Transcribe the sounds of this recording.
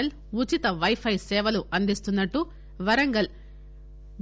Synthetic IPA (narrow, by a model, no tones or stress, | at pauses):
ɐl | ut͡ʃit̪ɐʋɐjpʰɐjsɛːʋɐluʔɐnd̪ist̪unːɐʈːu | ʋɐɾɐŋɡɐl | b